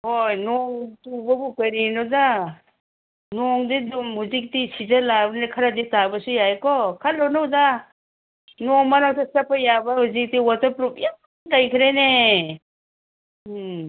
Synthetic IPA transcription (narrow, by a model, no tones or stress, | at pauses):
hojnɔŋtubabukəɾinɔwda | nɔŋdidɔmhuzik̚tisʰizalaɾnekʰaɾaditabasujajkɔkʰalːɔnɔwda | nɔŋmanawtasapʰajabaɦuzik̚tiwatapɾupjam | kajkʰiɾene